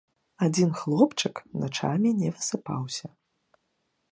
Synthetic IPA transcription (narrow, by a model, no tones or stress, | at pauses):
ad͡zʲinxlˠɔpt͡ʂɨknat͡ʂa̰mʲinʲɛvɨsɨpa̰wsʲɐ